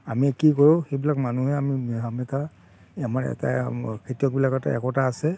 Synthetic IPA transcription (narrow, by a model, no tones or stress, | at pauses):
amikikɔɹʊ̃xejbilakmanuɦɛamiamɛta | amaɹɛ̰ta̰kʰitijɔk̚bilakɛta̰ɛ̰kɔtaːsɛ